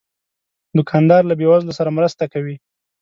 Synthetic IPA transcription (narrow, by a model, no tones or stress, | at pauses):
d̪ʊkʰɑnd̪ɑɾlabewazlosaɾamɾəst̪akawi